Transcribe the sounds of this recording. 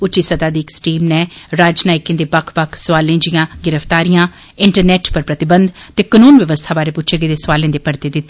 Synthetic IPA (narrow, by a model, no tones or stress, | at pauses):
ʊt͡ʃiːsət̪aːd̪iːksʈiːmnɛ̃ːɾaːd͡ʒnaːɪkẽːd̪eːpəkʰpəkʰsʋaːlẽːd͡ʒɪjãːɡɪɾəfʰt̪aːɾijãː | ɪɳʈəɾnɛːʈpəɾpɾət̪ɪbənd̪t̪eːkənuːnʋəʋəst̪ʰaːbaːɾeːpʊt͡ʃʰeɡeːd̪eːsʋaːlẽːd̪eːpəɾt̪eːd̪ɪt̪ːe